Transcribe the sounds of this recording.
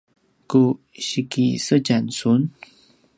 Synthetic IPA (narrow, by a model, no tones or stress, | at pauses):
ku | ɕikisət͡ɕansun